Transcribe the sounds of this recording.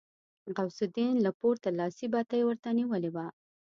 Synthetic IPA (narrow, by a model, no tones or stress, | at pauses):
ɣawsʊd̪inlapoɾt̪alɑsibat̪ajwəɾt̪aniwəlewa